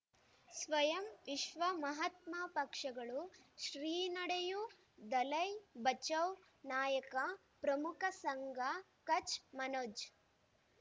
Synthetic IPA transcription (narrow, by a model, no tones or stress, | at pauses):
sʋɐjɐmʋiʃʋɐmɐɦɐt̪maːpɐkʂɐɡɐɭuʃɾiːnɐɽeju | d̪ɐlɐjbɐt͡ʃɐw | naːjɐkɐ | pɾɐmukʰɐsɐŋɡɐ | kɐt͡ʃmɐnoːd͡ʒ